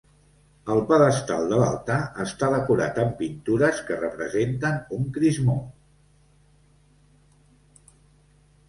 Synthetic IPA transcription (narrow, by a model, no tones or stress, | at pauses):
əlˠpəðəst̪a̰lˠd̪əla̰lˠt̪aəst̪aðəkuɾa̰t̪əmpint̪uɾəskərəpɾəzent̪ənuŋkɾizmo